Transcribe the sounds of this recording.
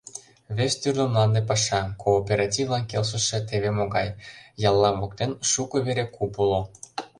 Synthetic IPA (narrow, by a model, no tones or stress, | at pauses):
βest̪yrd̪əmlˠɑnd̪epɑʃɑkoːpʲeɾɑtʲivlɑnkelʃ̬ə̆ʃĕt̪eβemoɣɑjjɑlˠːɑβok̚t̪enʃukɤ̆βeɾekupulo